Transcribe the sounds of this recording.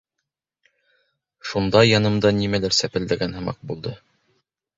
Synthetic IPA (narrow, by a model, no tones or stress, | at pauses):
ʃund̪ɑjɑnɤ̆md̪ɑnimælæɾsæpɘ̆ld̪æɡænhɤ̆mɑ̰q̚bulˠd̪ɤ